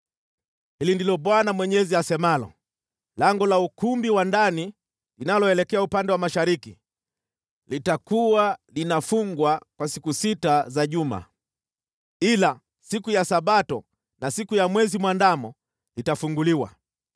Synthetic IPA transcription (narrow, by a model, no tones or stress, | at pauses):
hilindilɔɓwanamwɛɲɛziasɛmalɔ̰ | lɛŋɡɔlaukumbiwandani | linalɔɛlɛkɛaupandɛwamaʃaɾiki | litakuwalinafuŋɡwakwasikusitazaʄuma̰ | ila | sikujasaɓatɔ | nasikujamwɛzimwandamɔ | litafuŋɡuliwa̰